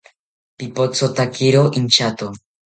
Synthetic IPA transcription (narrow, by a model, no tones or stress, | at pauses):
pipot͡sot̪akiɾoʔint͡ʃat̪u